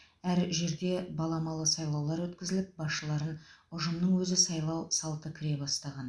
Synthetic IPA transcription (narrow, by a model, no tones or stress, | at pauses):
æɾʒe̞ɾd̪ʲe̞bɑlˠɑmɑlˠəsɑjlˠɑwlˠɑɾwɵt̪kʲɪzɪlɪp̚bɑsʃəlˠɑɾənʊʒəmnəɴwɵzɪsɑjlˠɑwsɑlˠt̪əkʲʰɪɾe̞bɑst̪ɑʁɑn